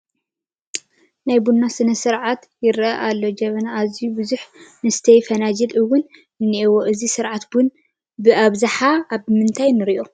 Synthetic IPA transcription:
najbunːasɨnɐsɨɾʕat̪ | jɪɾʔɐʔalːod͡ʒɐβɐnaːzijubɨzuħnɨsɨ̥t̪ʰɐjfɐnad͡ʒɐlʔɨwʊn | ɨnːiʔiwoʔɨzisɨɾʕat̪bun | bɨʔaβzaħaaβmɨnt̪ʰajnɨɾiʔo

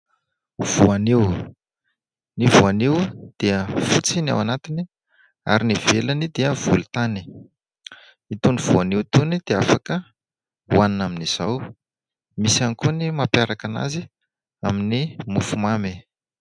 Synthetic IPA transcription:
v̥uaniw | nivuaniwd̪̥eəfut͡sina̰wanat̪ini | a̰ɾinivelanid̪eəv̥ulut̪ani̥ | it̪univ̥uanewt̪unid̪̥eafakə | uaninaminiz̥aw | misianikunimapjaɾakana̰zi | aminimufumame

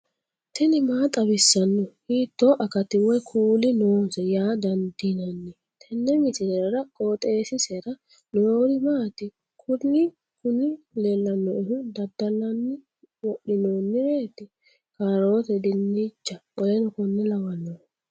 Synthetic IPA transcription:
t̪ʰɛnɪmaːt̪ʼɐbɪsːɐnːɔhiːt̪ːoʔɐkɐt̪ːɪwɔjkʰuːlɪnoːnsɛjaːd̪ɐnd̪inɐnːɛ | t̪ʰɛnːɛmɪt̪ɪnɛɾɐɾɐkʼoːt̪ʼe̞ːsɪseɾɐ | noɾɪmaːt̪ɪ | kʰʊnːɪ | kʰʊnɪ | lɛlːɐnːɔʔɪhʊd̪ɐd̪ɐlɐnːɪ | wɔɗɪnoːnːɪɾeːt̪ɪ | kaːɾo̞ːt̪ɛd̪ɪnːiːt͡ʃːɐʔɔjɛnɔkɔnːɛlɐwɐnːɔ

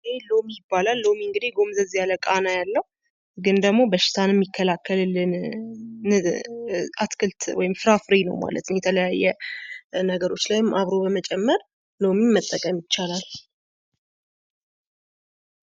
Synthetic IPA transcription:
elo̞mijɪbːalalːomiɨŋɡɨd̪eɡo̞mzəzijaləkʼanajalːəhu | ɡɨnd̪əɡmo̞bəʃːɪ̥t̪ʰanɛmːikʰːəlakʰːəllɨn | at̪kʰlt̪wɔ̰jɪmfɨɾafɾenəwma̰lə̰t̪ɨnjɛt̪ʰələjajːɛ | nəɡəɾo̞t͡ʃːlajɪmʔaβɾo̞bəmət͡ʃʼɛmːəɾ | lo̞mimːət̪ʼːəkʼəmjɪt͡ʃːalal

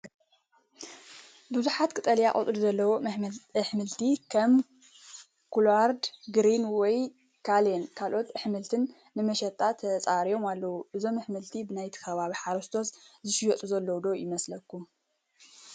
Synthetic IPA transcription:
bɨzuħat̪kʰɨt̪ʼɐlijakʼo̰t̪ʼɨluzɐlːɐwoɨħmɨlt̪ʰikʰɐm | kʰulaɾd̪ɡɾinwɔj | kʰalenkʰalʔo̞t̪ɨħmɨlt̪ʰɨnː | ɨmɐʃɛt̪ʼːat̪ʰɐt͡sʼaɾijo̞malːɐwuʔɨzo̞mɨħmɨlt̪ʰibɨnajt̪ʰi̥kʰɐβaβiħaɾɐst̪ʰo̞szɨʃɪjɐt̪ʼuzɐlːɐwd̪o̞jɪmɐslɐkʰːum

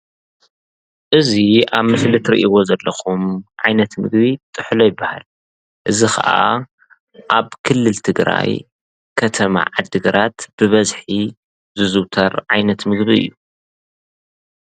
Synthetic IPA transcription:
ʔɨziaβmɨslit̪ʰɾḭʔiwo̞zɐlːɐxumʕajnɐt̪mɨ̰ɡbit̪ʼɨħlo̞jɪbːaha̰l | ʔɨzixʰɐ̰ʔa | ʔaβkʰɨlːɨlt̪ʰɨɡɾa̰j | kʰɐt̪ʰɐma̰ʕad̪ɨɡɐɾʔat̪b̥ɨβɐzħi | zɨzɨwt̪ʰɐɾʕajnɐt̪mɨɡbiɨ̰jːu

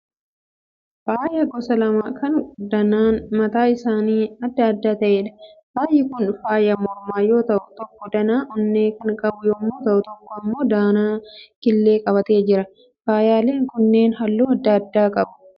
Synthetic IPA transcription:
faːjɐɡɔsɐlɐmaːkʰɐnd̪ɐnaːnmɐt̪aːɪsaːniːɐd̪ːɐːd̪ːaːt̪ɐʔeːᶑɐ̥b̥aːjɪkʊnfaːjɐmɔɾmaːjo̞ːt̪ɐʔʊt̪ɔkːɔd̪ɐnaːʔʊnːeːkɐnkʼɐbʊjoːmːoːt̪ɐʔʊt̪ɔkːɔɐmːo̞ːd̪aːnaːkɪlːe̞ːkʼɐbɐt̪e̞ːd͡ʒɪɾɐ | faːjaːle̞ːŋkʊnːe̞ːnɦɐlːuːɐd̪ːɐɐd̪ːaːkʼɐbʊ̥

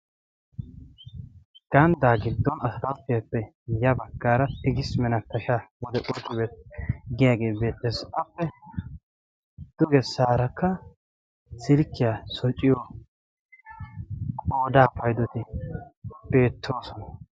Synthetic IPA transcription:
ɡ̥ɐnd̪aːɡɪd̪ːɔnɐsɐt̪ɐt̪ːɪjapːɛ | jɐbɐɡːaːɾɐt̪ɪɡɪsmɛnɐt̪ːɐʃaːwɔd̪ɛʔʼɔt̪ːɪbeːt̪ɡɪjaːɡeːbe̞ːt̪ːeːsɐpːɛ | d̪̥ʊɡɛsaːɾɐkːɐ | sɪlkːɪjasɔt͡ʃʼːɪjo | kʼoːd̪aːpɐjd̪ɔt̪ɪ | b̥e̞ːt̪ʰːo̞ːsɔnɐ

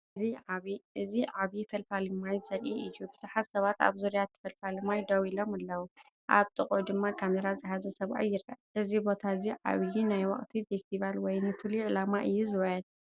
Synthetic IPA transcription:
iʕaβiʔɨziʕaβifɐlfalimajsɐɾʔiʔɨjːubɨzaħat̪sɐβat̪a̰βzuɾjat̪ʰːɐ̥fɐlfalimajd̪awilomalːɐwu | ʔa̰βt̪ʼɨkʼud̪ɨmːakʰameɾazɨħazɐsɐβʔa̰jːɪɾɐ̰ʔʔɨzibot̪ʰaziʕa̰βjinajwɐ̰χʼt̪ʰife̞st̪ʰiβalwɔjnɨfɨliʕɨlamaʔɨjːuzɨwɐjɛd̪

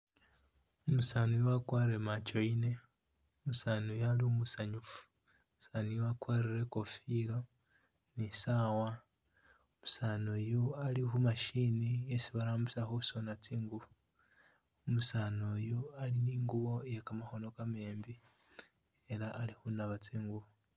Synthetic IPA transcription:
umusaːnujwakwaːɾiɾemat͡ʃo̞ine̞ | umusaːnojaliumusaɲufu̥ | musaːnijwakwaːɾiɾe̞ko̞filo̞ | nisaːwa | umusaːnojoalixumaʃiniesiβaɾaːmbusaxoso̞nat͡siːŋɡuβo | umusanojoaliniːŋɡuβo̞jekamaxo̞no̞kame̞ːmbi | e̞laʔːlixunaβat͡siːŋɡuβo

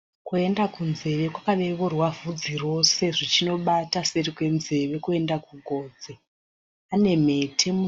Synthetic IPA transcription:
kue̞ndakunze̞ʋe̞kwakaʋeʋorwavʱud͡ziro̞se̞ʐit͡ʃino̞ɓataserikwe̞nze̞ʋe̞kue̞ndakuɡʱo̞ːd͡ze | ane̞me̞tʰe̞mu

